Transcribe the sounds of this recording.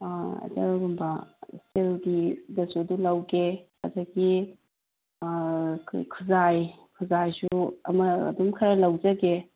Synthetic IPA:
ɐ̰dɐɡumbɐselɡidɐsudulawɡekʰazaɡi | kʰkʰuzajkʰuzajsuɐ̰mɐ̰ːdumkʰɐɾɐlɐwd͡ʒɐɡe

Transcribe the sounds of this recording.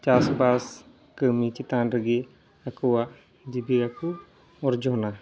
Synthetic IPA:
t͡ʃasbas | kəmit͡ʃit̪anɾəɡi | akuwa | d͡ʒibiɡaku | ɔɾd͡ʒɔɦna

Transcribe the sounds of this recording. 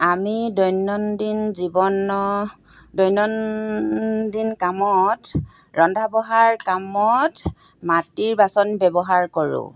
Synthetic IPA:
amidɔjnɔndinzibɔnɔ | dɔjnɔn | dinkamɔt | ɹɔndʱabɔɦaɹkamɔt | matiɹbasɔnbɛbɔɦaɹkoɹʊ̰̃

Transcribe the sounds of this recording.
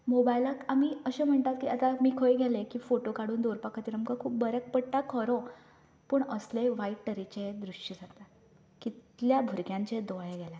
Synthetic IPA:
mobajlakamiːəɕẽm̤əɳt̪at̪̚kiːət̪amiːkʰojɡʱelekiːfoʈokaɽuːnd̪oɾpakʰat̪iɾəmkakʰuːp̚bəɾək̚pəɽʈakʰɔɾõ | pəːɳəsleʋaiʈʈəɾit͡ɕed̪ɾuʂʈid͡zʱat̪a | kit̪ljabʱuɾkjãɲt͡ɕed̪ɔɭeɡʱela

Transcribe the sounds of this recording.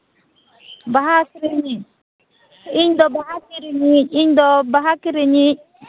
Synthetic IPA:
baɦakiɾiɲi | iɲdɔbahakiɾiɲiiɲdɔbaɦakiɾiɲi

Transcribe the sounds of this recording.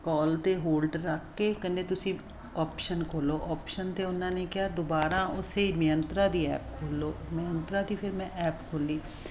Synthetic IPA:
kɔːlt̪eːɦoːlɖɾəkʰːeːkəneːt̪ʊsĩː | ɔːpʃənkʰoːloːʔɔːpʃənt̪eːʊnãːneːkɪjaːd̪obaːɾaːʔʊsemɪjənt̪ɾãːd̪iːɛ̰ːpkʰoːloːmɪjə̃nt̪ɾãːd̪iːpʰɪɾmɛ̃ːʔɛːpkʰoːliː

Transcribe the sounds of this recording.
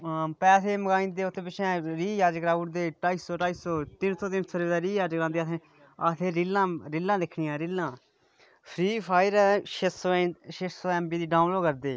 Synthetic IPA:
pɛːseːməɡaːĩnd̪eːʊt̪ʰːẽːpɪt͡ʃʰɛ̃ːɾiːjaːd͡ʒəkɾaːʊʈd̪eːʈaːisoːʈaːiːsoːt̪ɪnt̪ʰoːt̪ɪnsʰoɾed̪aːɾiːjaːd͡ʒəkɾãːnd̪iːat̪ʰẽː | ət̪ʰeːɾɪlãːɾɪlːãːd̪ekʰɽiːãːɾɪlːãː | pʰɾiːpʰaːɪɾɛʃsoːʃeːsoːɛːmbiːd̪iːɖãːnloːkəɾd̪eː

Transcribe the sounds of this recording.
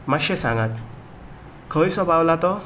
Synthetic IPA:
maʃesa̰ŋak̪̚ | kʰəjsɔbʱawlat̪ɔ

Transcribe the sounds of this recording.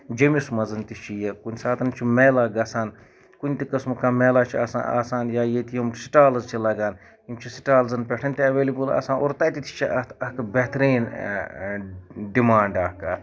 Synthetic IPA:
d͡ʒɐmismɐzɐnt̪it͡ʃʰijɐkunʲsaːt̪ʰɐnt͡ʃʰimeːlaːɡɐsaːn | kunʲt̪ikɐsmukameːlaːt͡ʃʰiɐːsa̰a̰ːsaːnjaːjet̪ijɐmʈsi̥ʈaːlɐzt͡ʃʰilɐɡaːn | jimt͡ʃʰisi̥ʈaːlzɐnpʲeʈʰɐnt̪ʲiɐʋeːlibɨla̰ːsãːno̰ːɾt̪ɐt̪it̪ʰi̥t͡ʃʰiɐt̪ɐkbeɦt̪ɾiːn | ɖimaːɳɖɐkɐ

